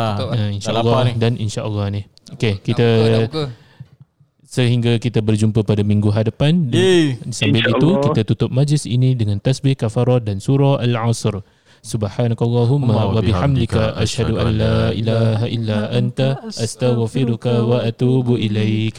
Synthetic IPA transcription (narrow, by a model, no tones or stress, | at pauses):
ainʃalːɑdaninʃaʔɑlˤːɑhnih | okekit̪a | səɦiŋɡakit̪abərd͡ʒumpəpadamĩŋɡuɦadapandisambɪlit̪ukit̪at̪ut̪ʊp̚mad͡ʒɪsḭnĩdəŋãnt̪asbɪhkafaɾɔdansuɾɔʔalʕasr | subħanakalˤːɑɦummːawabiħamd̪ikaʔaʃhaduʔanːailaɦʔilːaant̪aʔast̪aɣfiɾukawaʔat̪uːbuʔilajk